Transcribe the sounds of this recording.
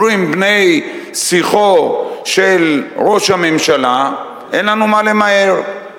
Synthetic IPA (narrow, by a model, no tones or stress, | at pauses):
imbne̞jsiχoʃe̞lʁo̞ʃhame̞mʃala | ʔenlanumale̞mae̞ʁ